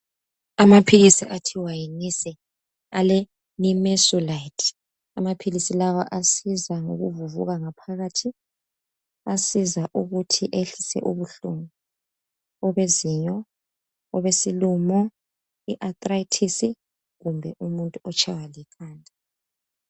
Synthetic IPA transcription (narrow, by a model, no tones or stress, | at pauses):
amapʰiɣisiʔatʰiwajinisɛ | alɛ | nimɛsulajtʰ | amapʰilisilawa̰ʔasizaŋo̰ɣṵvuvṵɣaŋapʰaɣaːtʰi | asizaʔuɣutʰiʔeɬisɛ̰ʔuβuɬuŋu | ɔβeziɲɔ | ɔβesilumɔ | iʔat̪ʼraitʰisi | ɣumbʱɛʔumuntʼuɔt͡ʃʰʼawalikʰaːndʱʼa